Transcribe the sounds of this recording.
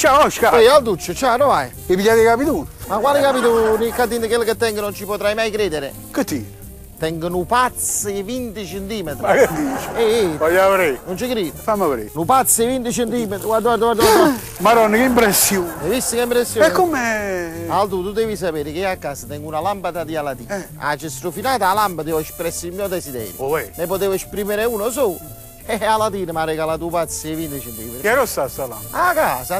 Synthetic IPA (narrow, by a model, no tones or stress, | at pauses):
t͡ʃawɔʃkaɛald̪ut͡ʃːət͡ʃanovaj | ɪviʎad̪ikapit̪uːnmakwaːlikapit̪unikat̪ːind̪əkelːket̪ːɛŋɡənont͡ʃipot̪ɾajmajkɾeːd̪ɪɾɪ̰ | kət̪ːi | t̪ɛŋɡənupat̪svint̪it͡ʃent̪iːmet̪ɾakad̪it͡ʃɛvɔjavɾenont͡ʃikɾiːfamːavɾḛnupat̪sːvint̪it͡ʃent̪iːmet̪ɾɡwaɾd̪ɡwaɾd̪əɡwaɾd̪a | maɾɔnːikeimpɾɛsːjoːnevist̪ikeimpɾesːjoɛkːomealt̪ut̪ud̪ɛːvis̬apeːɾɪkɪakːaːsat̪ɛŋɡunalampad̪ad̪ialat̪ḭː | a̰t͡ʃːest̪ɾufinaːt̪aalambat̪iɔespɾɛsːilmjɔd̪ɛsid̪ɛ̰ːɾj̰oɛnepot̪eːvespɾiːmɪɾeuːnoso | ɛalat̪iːnəmaɾɛkalat̪̬upat̪sːevint̪it͡ʃɛnt̪ḭːmkɛɾɔst̪asala̰makaːsa